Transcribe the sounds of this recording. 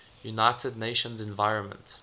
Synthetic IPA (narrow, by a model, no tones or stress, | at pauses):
junaɪtʰədneɪʃə̃nzɛ̃nvaɪɹə̃nmə̰̃nt